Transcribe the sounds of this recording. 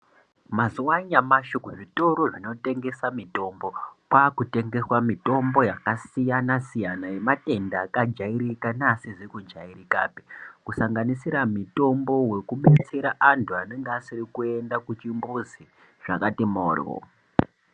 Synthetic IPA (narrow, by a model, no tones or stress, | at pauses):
mazuwaɲamaʃokuʐito̞ɾoʐino̞te̞ŋɡe̞samito̞mbo̞kwakute̞ŋɡe̞swamito̞mbo̞jakasijanasijanaje̞mate̞ndaːkad͡ʒaiɾikanasiʐekud͡ʒairika̰pi̥kusaŋɡanisiɾamito̞mbo̞we̞kuɓe̞t͡se̞ɾaʔantʰuane̞ŋɡeasirikue̞ndakut͡ʃimbuzi | ʐ̥a̰katimo̰ːr̰o̰